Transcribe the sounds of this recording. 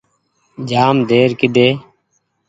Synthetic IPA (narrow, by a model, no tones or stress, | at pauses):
d͡ʒaːmd̪ʱeːɾkɪd̪eː